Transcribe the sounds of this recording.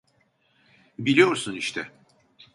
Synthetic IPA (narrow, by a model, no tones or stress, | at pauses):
bilʲijo̞ɾsuniʃt̪ʰɛ